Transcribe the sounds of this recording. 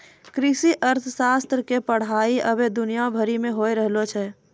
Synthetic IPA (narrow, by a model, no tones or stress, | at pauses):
kɾisiʔəɾt̪ʰəsast̪ɾəkepəɽ̤aiə̰bed̪ʊnijabʱəɾimeɦoeɾəɦlot͡ʃʰɛ